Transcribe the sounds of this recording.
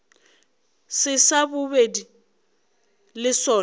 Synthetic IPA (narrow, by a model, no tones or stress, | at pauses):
sɪsabʊbedi | lɪsɔː